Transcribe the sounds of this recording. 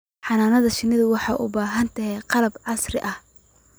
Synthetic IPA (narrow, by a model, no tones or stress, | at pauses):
ħɑnaːnɐðɐʃɪnːɪðʊwɑħɑ̰jʔʊ̰baːɦɐnt̪ʰɐɦɛqɑlɐbʕɑsrɪʔɐh